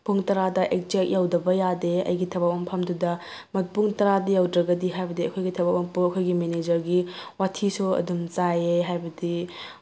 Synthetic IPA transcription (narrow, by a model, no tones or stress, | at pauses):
pʰuŋtɐɾadɐʔek̚t͡ʃek̚jawdɐbɐjadeɐ̰jɡitʰɐbak̚ɐmpʰɐmdudɐ | mɐt̚puŋtɐɾadɐjawdɾɐɡɐdiɦajbɐdiɐkʰojɡitʰɐbap̚ɐmpuɐkʰojɡimened͡ʒɐɾɡiwatʰisuɐ̰dumt͡ʃajeɦajbɐdi